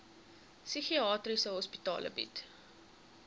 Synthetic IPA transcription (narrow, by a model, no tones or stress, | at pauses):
syxiɑːtrisəɦɔspitɑ̰ːlə̰bḭt